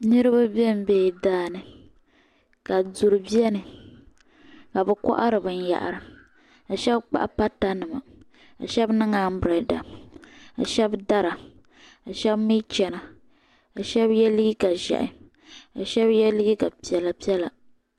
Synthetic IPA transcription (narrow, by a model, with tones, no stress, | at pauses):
nɨ˦ɾɨ˦ba˦bɛ˦m̩˨bɛ˦˨daː˦nɨ˨ | ka˨du˨ɾɨ˨bi˦ɛ˦nɨ˨ | ka˨bɛ˨kɔ̰˦ʔa˦ɾɨ˨bɨ˨n˦ja̰˨ʔɾɨ˨ | a˨ʃɛ˦bk͡pa̰˨ʔpa˦ta˦nɨ˨ma̰˨ | a̰˨ʃɛ˦bnɨ˦ŋa˨˦m̩˦bɾɛ˨da̰˨ | a̰˨ʃɛ˦bda˦ɾa˨ | a˨ʃɛ˦bmi˦t͡ʃɛ˨na˨ | a˨ʃɛ˦bjɛ˦li˦ɡka˨ʒɛ̰˨ʔɪ̰˨ | a˨ʃɛ˦bjɛ˦li˦ɡi˦ka˨pi˨ɛ˨la˨pi˦ɛ˦la˨